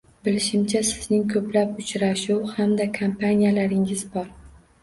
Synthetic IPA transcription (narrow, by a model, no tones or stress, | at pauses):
bɪlɪʃɪmt͡ʃʰasɪznɪŋkʰɵplapʊt͡ʃɾaʃuwhamd̪akʰampʰanʲijalaɾɪŋɪzbɒɾ